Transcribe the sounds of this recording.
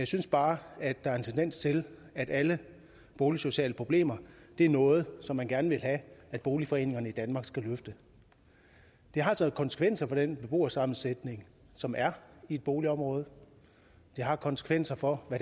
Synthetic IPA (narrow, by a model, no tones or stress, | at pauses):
jɑ̈ɪsynsb̥ɑ̈ːæd̥ɑ̈æɐe̝nt͡sʰend̥en̰st͡sʰe̝læd̥ælə | b̥o̝ːliso̝ɕɛ̰ːləpʰʁo̝b̥le̝̰ːmɐd̥e̝æɐnɔ̽ːð̞̩ˠsɒ̽mːænɡ̥æɐnəʋe̝lɦææd̥̚b̥o̝ːlifɒ̽e̝̰ːne̝ŋɐnəid̥ænmɑ̈ːɡ̥sɡ̥æløfd̥ə | d̥e̝ɦɑ̈sɒð̩ˠkʰɒ̽nsə̥kʰʋen̰sɐfɒ̽d̥enb̥e̝b̥o̝̰ːɐsɑ̈mn̩sed̥ne̝ŋ | sɒ̽mʔæɐie̝d̥̚b̥o̝ːliɒ̽mʁɔ̽ːð̞̩ˠ | d̥e̝ɦɑ̈kʰɒ̽nsə̥kʰʋen̰sɐfɒ̽ʋæ